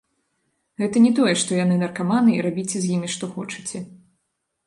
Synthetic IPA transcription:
ɣɛt̪ɐnʲɛt̪ɔjɛʂt̪ɔjanɨnɐrkamanɨḭɾabʲit͡sʲzʲjimʲiʂt̪ɔxɔt͡ʂɨt͡sʲɛ

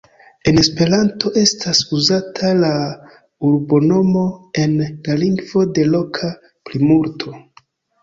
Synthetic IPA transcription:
e̞ne̞spe̞ɾanto̞ʔe̞stʰasuzatʰala | uɾbo̞no̞mo̞e̞nlaliŋɡvo̞de̞lo̞kʰa | plimuɾtʰo̞

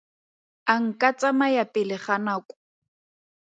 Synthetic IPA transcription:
aŋ̩kʼat͡sʼamajapʼɪlɪχanaːkʼʊ̥

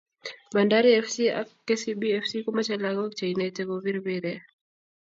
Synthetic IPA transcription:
ɓandaɾiɛfsia̰kkːɛsiɓiɛfsikumat͡ʃɛlaɡɔk̚t͡ʃainɛtɛɣɔβiɾβiɾɛ

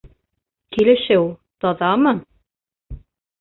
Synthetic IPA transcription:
kilɘ̆ʃɘwt̪ɑðɑmɤ

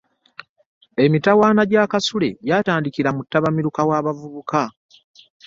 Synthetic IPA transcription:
e̞mitawaːnaɟakasule̞̰ɟaːtaːndikiɾamutːaβamiɾukawaːβavuβuka

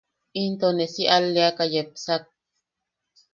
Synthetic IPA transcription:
int̪onesiʔalːeakajepsak̚

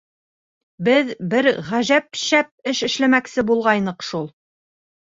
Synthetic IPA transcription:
bɘðbɘɾʁæʒæp̚ʃæp̚ɘʃɘ̆ʃlæmæksɘbulˠʁɑjnɤqʃulˠ

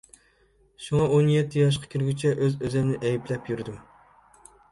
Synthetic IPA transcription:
ʃuŋɑʔonjɛt̪ʰːɪjɑʃ̬qʰɑ̥kʲʰiɾɡʲyt͡ʃʰɛʔøzøzɛmnɪʔɛjiplɛpjyɾɪd̪u

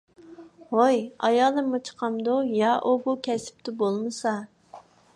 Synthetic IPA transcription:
hojɑ̰jɑlˠɨmːut͡ʃʰə̥qʰɑmd̪ujɑʔubukʲʰɛsɪ̥p̚t̪ɪbolˠmɨsɑ

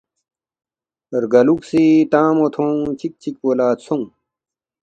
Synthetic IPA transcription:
ɐɾɡɐluksit̪ãːmot̪ʰõːt͡ɕʰik̚t͡ɕʰik̚poːlaːt̪sõ

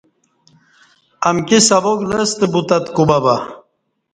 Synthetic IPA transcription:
ɐmkisɐboɡlɐst̪ebut̪ɐt̪kubɐbɐ

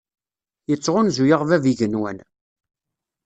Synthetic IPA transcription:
jət͡sːʁʊnzujəʁvæviʝənwæ̰n

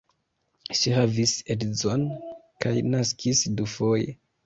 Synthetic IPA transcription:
ʃihavisedzonkajnaskʰisdufoje

